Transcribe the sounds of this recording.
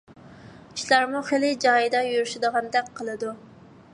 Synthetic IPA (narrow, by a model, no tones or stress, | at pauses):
i̥ʃlɑɾmuχelɪd͡ʒɑjid̪ɑjuɾyʃɪd̪əʁɑnd̪ɛk̚ʲqʰəlˠɨd̪u